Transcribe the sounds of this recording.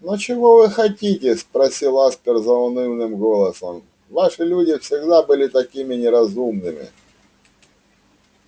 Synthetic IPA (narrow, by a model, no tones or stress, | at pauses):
not͡ɕɪvovɨxɐtʲitʲɪspɾɐsʲilˠaspʲɪrzɐʊnɨwnɨmɡolˠəsəm | vaʂɨlʲudʲɪfsʲɪɡd̪abɨlʲɪt̪ɐkʲimʲɪnʲɪɾɐzumnɨmʲɪ̰